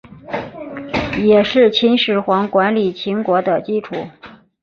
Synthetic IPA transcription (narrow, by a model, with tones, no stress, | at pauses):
jɛ˨˩ʂɻ̩˥˩t͡ɕʰi˧˥nʂɻ̩˧˥xwɑ˧˥ŋkwa˧˥nli˨˩t͡ɕʰi˧˥nkwɔ˧˥d̪ə˧t͡ɕi˥ʈ͡ʂʰu˨˩˦